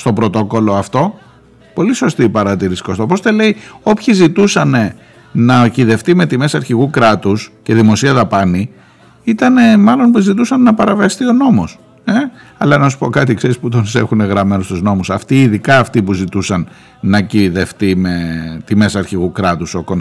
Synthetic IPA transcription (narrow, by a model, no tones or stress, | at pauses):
st̪o̞pɾo̞t̪o̞ko̞lo̞ɐft̪o̞ | po̞liso̞st̪ipɐɾɐt̪iɾisikost̪opost̪e̞le̞io̞pçizit̪usɐne̞ | nɐciðe̞ft̪ime̞t̪ime̞sɐɾçiɣukɾɐt̪usce̞ðimo̞siɐðɐpɐni | it̪ɐne̞mɐlo̞npuzit̪̬usɐnːɐpɐɾɐviɐst̪io̞no̞mo̞s | e | ɐlɐnɐs̬u̥po̞kɐt̪ikse̞ɾisput̪onse̞xune̞ɣɾɐme̞nost̪uzno̞musɐft̪iːðikɐːft̪ipuzit̪usɐnː | ɐciðe̞ft̪ime̞t̪ime̞sɐɾçiɣukɾɐt̪uso̞kon